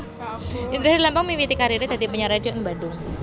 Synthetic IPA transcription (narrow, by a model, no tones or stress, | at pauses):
ind̪ɾɛsdilampaŋmiwit̪ikaɾiɾed̪a̤d̪ipuɲaɾadioʔənbadʊŋ